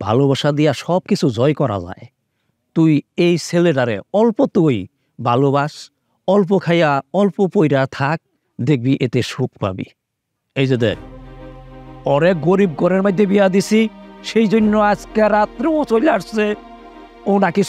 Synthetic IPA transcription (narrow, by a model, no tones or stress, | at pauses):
bʱa̰lobaʃad̪ijaʃɔb̚kit͡ɕʰud͡ʑɔjkɔɾa̰za̰e | t̪ujejsʰeleʈaɾḛɔlpot̪uj | bʱaloβaʃ | ɔlp̬okʰajaɔlpopojɾat̪ʰak̚ | d̪ek̚biʔet̪eʃukpa̰bḭ | ejd͡ʑed̪ḛk̚ | ɔɾek̚ɡoɾib̚kɔɾeɾmajd̪ʱːebijad̪isʰiʃejd͡ʑonːoad͡ʑkeɾat̪ɾeot͡ɕojlaʈse | onaki